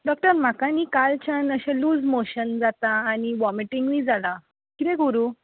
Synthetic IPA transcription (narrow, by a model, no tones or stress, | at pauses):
ɖɔk̚ʈəɾm̤akãnikalt͡ɕʰãnəɕɛ̃luːd͡zmoɕənd͡zat̪aːñiʋɔmiʈiŋɡʋid͡zala | kit̪ɛ̃ɡuɾuː